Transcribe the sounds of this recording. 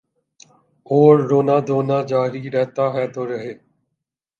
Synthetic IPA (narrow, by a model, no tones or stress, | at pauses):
oːɾːoːnaːd̪oːnaːd͡ʒaːɦɾiːɾɛɦt̪aːɦɛːt̪oːɾəɦeː